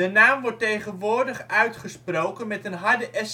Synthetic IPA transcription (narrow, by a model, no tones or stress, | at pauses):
dənaːmʋɔɹtːejχənʋʊːɹdəχœɥtχəsprowkənmɛtənɦɑɹdəʔɛs